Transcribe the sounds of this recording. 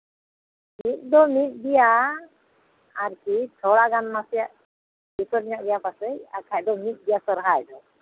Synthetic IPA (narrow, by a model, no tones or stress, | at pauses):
mit̪̚ˀd̪ɔmit̪̚ˀbija | aɾkit͡ʃʰɔɽaɡanmasɛjaʔ | bisɔɾɲaʔɡɛjapasɛja̰kʰajd̪ɔmit̪̚ˀd̪ijasɔɾɦajd̪ɔ